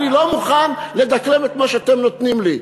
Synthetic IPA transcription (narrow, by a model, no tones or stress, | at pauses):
lilo̞muχanle̞d̪akle̞met̪maʃeat̪emno̞t̪nimli